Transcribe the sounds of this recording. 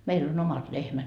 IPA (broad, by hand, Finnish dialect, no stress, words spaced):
meil on omɑt lehmæt